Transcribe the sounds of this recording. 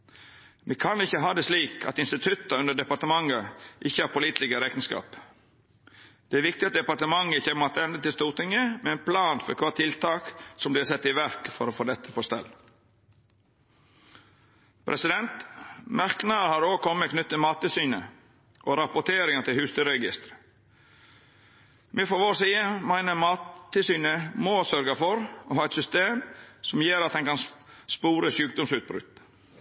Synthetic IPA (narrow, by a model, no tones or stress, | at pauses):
ʋiːkʰɑnɪçːəɦɑːd̪ɛːsliːkʰɑ̰t̪ɪnst̪ɪt̪ʰʉt̪əʉndəd̪ɛpɑɾt̪əmɑŋəʔɪçːəhɑːɾpʰʊliːt̪lɪɡəɾɛk̪ənskɑ̰ːp | d̪̥ɛæɾʋɪk̚t̪ɪɑt̪̚d̪ɛpɑɾʈ̪əmɑŋːəɪçəmɔt̪ːɛnd̪ət̪ɪlst̪uːɾt̪ɪŋːəmɛɛnpʰlɑːnfɔ̰ɾkʰʋɑːt̪ʰɪlt̪ʰɑːksɔmblɪːʁsɛt̪ːɪʋæɾkfɔɾoːfoːd̪ɛt̪ʰːə̥pʰost̪ɛ̰lː | pʰɾʔɛsɪd̪ɛnt̪mæɾknɑɾhɑːɾoːkʰɔmːəkʰnʏt̪ːəmɑːt̪ːɪsyːnə | ʔoɾɑpʊʈ̪ʰeːɾɪŋət̪ʰɪlhʉːst̪əɾɛɡɪst̪ɾə̥ | mefɔɾʋoːsiːəmæɪnəmɑːt̪t̪ːɪsyːnəmoːsœɾɡɑfɔɾɔhɑːɛt̪sʏst̪eːmsɔmjeːɾɑt̪̚d̪ɛŋkɑnspuːɾəsʉːk̚d̪ɔmsʉːt̪̚bɾʉ̰t̪